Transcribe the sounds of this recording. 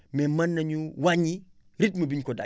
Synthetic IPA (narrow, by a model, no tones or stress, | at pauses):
mɛmɐnːɐɲuwaɲi | ɾit̚mɐbiɲkoda̰